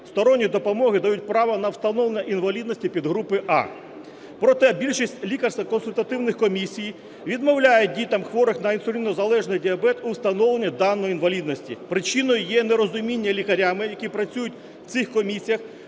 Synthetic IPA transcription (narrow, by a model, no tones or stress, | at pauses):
st̪ɔɾɔnʲːid̪ɔpɔmɔɦɪd̪ɐjut̚ʲpɾɑʋɐnɐwst̪ɐnɔʋlenʲːɐʔinʋɐlʲid̪nɔsʲtʲipʲid̪ɦɾupɪʔɑ̰ | pɾɔt̪ɛbʲilʲʃisʲtʲlʲikɐrst̪ɐkɔnsʊlʲt̪ɐt̪ɪwnɪxkɔmʲisʲij | ʋʲid̪mɔwlʲajɛdʲit̪ɐmxʋɔɾɪxnɐinsʊlʲinɔzɐlˠɛʒnɪjdʲiɐbɛt̪ʊwst̪ɐnɔlˠenʲːɐd̪ɑnːɔjinʋɐlʲid̪nɔsʲtʲipɾɪt͡ʃinɔjʊjɛneɾɔzʊmʲinʲːɐlʲikɐɾʲamɪjɐkʲipɾɐt͡sʲujʊtʲ | w̥tsɪxkɔmʲisʲijɐx